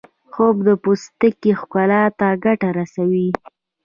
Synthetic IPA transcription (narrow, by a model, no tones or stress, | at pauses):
xobd̪əpost̪əkexkalɑt̪aɡaʈaɾasawi